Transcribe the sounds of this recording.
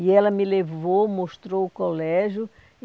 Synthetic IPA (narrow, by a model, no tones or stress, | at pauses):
iɛlɐmɪlevowmoʃt̪ɾowʊkolɛʒjʊ